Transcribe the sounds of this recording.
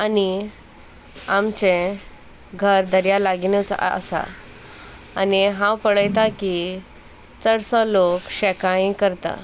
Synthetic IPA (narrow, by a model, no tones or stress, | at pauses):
ani | amt͡ɕẽ | ɡʱəɾd̪əɾjalaɡinət͡sə̰sa̰ | niɦãwpəɭəjt̪aki | t͡səɽsɔlokɕekajĩkəɾt̪a̰